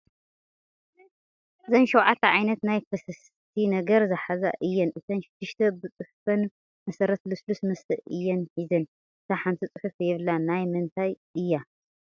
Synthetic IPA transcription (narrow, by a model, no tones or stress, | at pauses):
ʔɨzɐnʃɐwʕat̪ʰːɐʕajnɐt̪najfʰɐsɨs | t̪ʰinɐɡɐɾzɨħaza̰ʔɨjːɛnʔɨt̪ʰɐnʃɪd̪̥ːɨʃt̪ʰɐbɨt͡sʼɨħfɐn | mɐsɐɾɐt̪lɨslusmɐst̪ʰɨʔɨjːɛnħizɐn | ɨt̪ʰaħant̪ʰit͡sʼɨħɨfjɛβɨlːanajmɨnt̪ʰajʔɨjːa